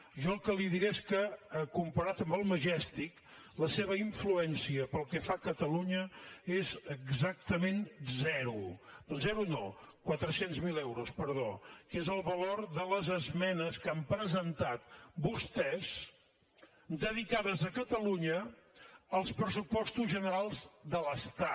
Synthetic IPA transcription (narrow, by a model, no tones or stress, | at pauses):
ʒɔəlˠkəliðiɾeskəːkumpəɾat̪əmbəlˠməʒɛst̪ik | ləseβ̞əiɱfluɛnsiəpəlˠkɛfakət̪əluɲəezəɡzak̚t̪əmenzɛɾuzɛɾuno̰kwat̪ɾəsenzmilɛwɾuspəɾðo̰kezəlˠβəloɾðələzəzmɛnəskampɾəzənt̪at̪bust̪ɛz | d̪əðikaðəzəkət̪əluɲəː | lˠspɾəsupɔst̪uzʒənəɾalˠzd̪ələst̪a